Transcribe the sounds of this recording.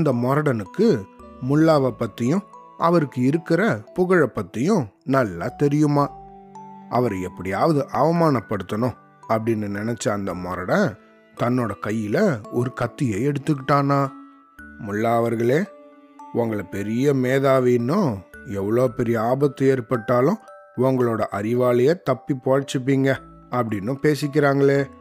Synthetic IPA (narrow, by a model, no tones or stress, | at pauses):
ɐnd̪ɐmɔɾɐɽɐnɯkːɯmʊɭːaːʋɐpːɐt̪ːɪjʊ̃ | ʔɐʋɐɾɯkːɯɪɾɯkːɪɾɐpʊɣɐɻɐpːɐt̪ːɪjʊ̃nɐlːɐt̪ɛɾɪjɯmaː | ʔɐ̰ʋɐɾɐɛpːɐɽɪjaːʋɐðɯʔɐʋɐmaːnɐpːɐɽɯt̪ːɐnʊ̃ | ɐpːɐɽɪnːɯnːɪnɛt͡ʃːɐːnd̪ɐmɔɾɐɽɐ̃ | t̪ɐnːoːɽɐkɐjːɪlɐɔɾɯkɐt̪ːɪjeːɛɽɯt̪ːɯkːɪʈːaːnaː | mʊɭːaːʋɐɾɣɐɭeː | ʊŋɡɐɭɐpɛɾɪjɐmeːðaːʋinːʊ̃ɛʋːɐɭoːpɛɾɪjɐaːbɐt̪ːɯeːɾpɐʈːaːlʊ̃ | ʊŋɡɐɭoːɽɐʔɐɾɪʋaːlɐjɐːt̪ɐpːipoːɻt͡ʃːɯp̬ːiːŋɡɐ | ɐpːɐɽɪnːɯ̃peːsɪk̬ʲːɪɾaːŋɡɐɭeː